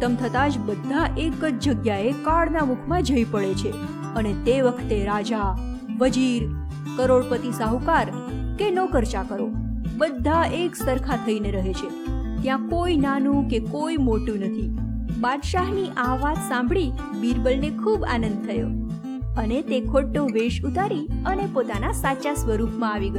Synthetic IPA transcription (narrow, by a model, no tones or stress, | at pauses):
əmt̪ʰət̪ad͡ʒbəd̪ʱːaʔekəd͡ʒd͡ʒəɡjaekaɭnamukʰmãd͡ʒəipəɭet͡ʃʰe | ənet̪eʋəkʰt̪eɾad͡ʒa | ʋəd͡ʒiɾ | kəɾoɭpət̪isaɦukaɾ | kenokəɾt͡ʃakəɾobəd̪ʱːaeksəɾkʰat̪ʰəineɾəɦet͡ʃʰe | t̪jãkoinanũkekoimoʈũnət̪ʰibad̪ʃaɦniʔaʋat̪sãmbʱɭi | biɾbəlnekʰuba̰nənd̪̚t̪ʰəjo | ənet̪ekʰoʈːoʋeʃut̪aɾiənepot̪anasat͡ʃasʋəɾupʰmãaʋiɡə